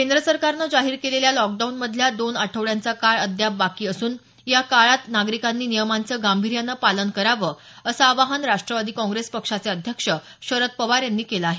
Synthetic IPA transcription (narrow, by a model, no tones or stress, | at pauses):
kend̪ɾəsəɾkaɾnəd͡zaɦiːɾkeleljalɔk̚ɖaunməd̪ʱljad̪onaʈʰəʋɭjant͡sakaɭəd̪ʱjabakiːəsuːn | jakaɭat̪naɡɾikanːiːnijəmant͡səɡambʱiɾjanːəpalənkəɾaʋəː | əsaːʋaɦanɾaʂʈɾəʋad̪iːkɔ̃ŋɡɾespəkʂat͡seəd̪ʱjəkʂə | ɕəɾət̪̚pəʋaɾjanːiːkelaːɦe